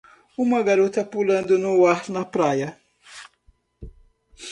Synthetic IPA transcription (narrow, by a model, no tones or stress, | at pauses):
umɐɡaɾut̪apulɐnd̪unuwaħtnɐpɾaːjɐ